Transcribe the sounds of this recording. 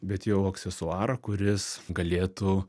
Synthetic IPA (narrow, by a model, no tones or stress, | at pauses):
bʲɛt̪jɛʊɐksʲɛsʊɑːɾɐkʊɾʲɪsɡɐlʲeːt̪u